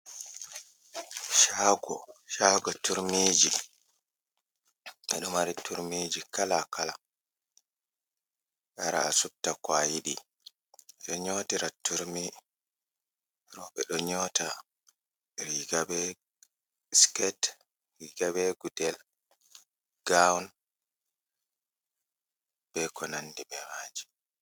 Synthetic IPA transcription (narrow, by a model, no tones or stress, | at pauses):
ʃaɡɔʃaɡɔtuɾmiːd͡ʒi | ɓɛ̰ɗɔmaɾitʰuɾmid͡ʒikalakala | ʔaɾa̰ːsutːakwajiɗi | ɗɔɲɔtiɾatuɾmi | ɾɔɓɛɗɔɲɔta | ɾiɡabɛ | skɛt | ɾiɡabɛɡudɛl | ɡ̥awn | b̥ɛkɔnandibɛmaːd͡ʒi̥